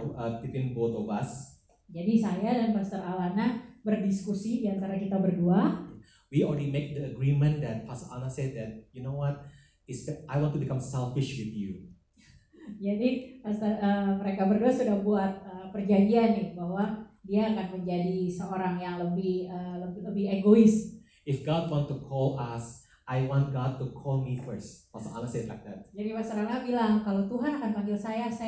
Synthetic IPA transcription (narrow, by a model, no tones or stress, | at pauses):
ət̪ipɪnbot̪obas | d͡ʒadisajadanpast̪əɾalanabərdiskusidiant̪aɾakit̪abərduaja | wiɔlɹɛdimek̚dəəɡɾimə̃ndɛt̚pasa̰nasɛd̚dɛt̚junowɔt̚ | ɪsɛʔajwɔ̃ntubikãmsɛlfɪʃwɪθju | d͡ʒadipast̪ərəməɾekabərduasudahbuat̪̚əpərd͡ʒadianːɪbaɦwadiaːkanməɲd͡ʒadisəoɾaŋjaŋləbɪhələbləbɪheɡoɪs | ɪfɡɔd̚wɔ̃ntːukʰɔlas | ʔajwɔ̃nt̚ɡɔd̚tukʰɔlˠmifəɹstɔlsoa̰masenla̰k̚d̪ɛ̰t̪̚d͡ʒadimasaɾaŋlabilaŋkalot̪uɦanakanpaŋɡɪlsajasa